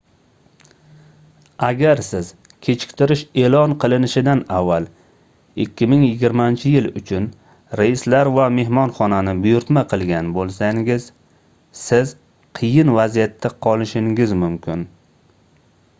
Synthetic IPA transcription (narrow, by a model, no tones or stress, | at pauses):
aɡʲaɾsɪz̥ | kʲʰe̞t͡ʃʰɪ̥kʲt̪ʰɪɾɪʃe̞lˠɒnqʰɨlˠɪnɪʃɪd̪anavːal | ɪkʲːɪmɪŋjɪɡʲɪɾmant͡ʃʰɪjɪlʊt͡ʃʰʊn | ɾajɪslaɾvame̞ɦmɒnχɒnanɪbʊjʊɾt̪maqʰɨlˠɡʲanbolˠsaŋɡʲɪz̥ | sɪz | qʰɨjɪnvazijat̪ʰːaqʰɒlˠɪʃɪŋɪzmʊmkʲʰɪn